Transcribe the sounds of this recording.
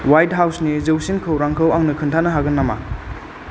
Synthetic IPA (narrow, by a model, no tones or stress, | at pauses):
wajt̚ɦawsnizewsinkʰɯwɾaŋkʰɯwaŋnɐkʰɯntʰanɐɦaɡɐnːama̰